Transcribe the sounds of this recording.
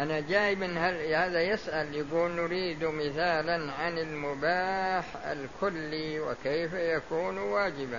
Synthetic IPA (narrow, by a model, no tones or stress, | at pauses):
ʔanad͡ʒaːjɪbɪnːhalhaːðajɪsʔaljaɡuːlnʊɾiːd̪umɪθaːlanʕanɪlmʊbaːħa̰lkʰʊlːiwɪ̰kejfajakuːnwaːd͡ʒɪba